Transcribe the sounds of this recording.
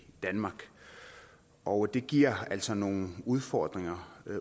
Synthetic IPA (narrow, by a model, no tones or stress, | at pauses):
d̥ænmɑ̈ɡ̥ | ʔɒ̽ʊd̥e̝ɡ̥iɐ̰æl̰sɒ̽no̝ːn̩uð̞ˠfɒːd̥ʁeŋɐ